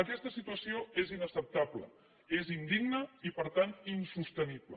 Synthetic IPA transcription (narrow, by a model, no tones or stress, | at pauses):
əkɛst̪əsit̪uəsioezinəsəp̚t̪ablə̰ | ezind̪iɡnəipəɾt̪ant̪insust̪əniblə̰